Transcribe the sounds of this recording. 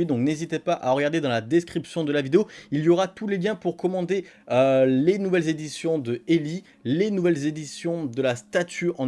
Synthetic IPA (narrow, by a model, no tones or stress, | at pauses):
id̪ɔ̃knezit̪epaʔaʁəɡaʁd̪ed̪ɑ̃lad̪ɛskχipsjɔ̃d̪əlavid̪eoiljɔʁat̪uleljɛ̃puʁkɔmɑ̃d̪eølenuvɛlzed̪isjɔ̃d̪əeli | lenuvɛlzed̪isjɔ̃d̪əlast̪at̪ʰyɑ̃